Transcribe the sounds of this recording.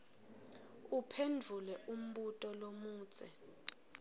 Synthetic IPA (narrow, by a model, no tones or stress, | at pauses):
upʰendʱulɛʔum̩ɓutʼɔlomuːt͡sʼɛ